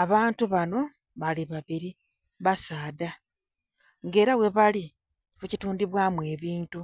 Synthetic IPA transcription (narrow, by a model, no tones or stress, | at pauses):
aβaːntuβano̞ | βaliβaβiɾi | βasaːda | ŋɡe̞ːɾawe̞βali | βucituːndiβwaːmuwe̞ːβiːntu